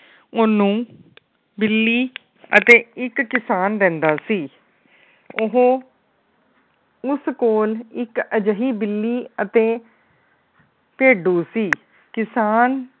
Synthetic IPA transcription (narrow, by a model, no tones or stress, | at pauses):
ʊnũː | bɪlːiː | ə̰t̪eːɪkːɪsaːnɾɛ̃ːnd̪aːsiː | ʊɦõː | ʊskoːlɪkəd͡ʒəɦiːbɪlːiːət̪eː | peːɖuːsiː | kɪsaːn